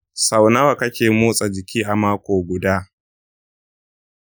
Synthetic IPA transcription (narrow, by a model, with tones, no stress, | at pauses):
sa˨wna˦wa˨kɐ˦kʲeː˨moː˦sʼa˨d͡ʒɪ˨kʲʰiː˦ʔa˨maː˦kʷoː˨ɡʷʊ˨daː˦